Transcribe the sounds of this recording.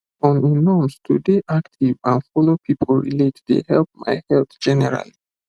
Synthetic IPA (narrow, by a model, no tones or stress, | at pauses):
ɔ̃nĩnɔmstʰudeʔaktʰivãnfɔlopʰipʰəlɹḭletdḛhɛlp̚ma̰jhɛlt̪d͡ʒɛnɛɹa̰li